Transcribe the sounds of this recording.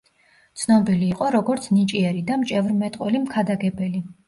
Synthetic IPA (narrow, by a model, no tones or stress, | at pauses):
t̪sʰnɔbiliːqʼɔɾɔɡɔɾt̪sʰnit͡ʃʼiɛɾid̪amt͡ʃʼɛvɾmɛt̪ʼqʼwɛlimkʰad̪aɡɛbɛli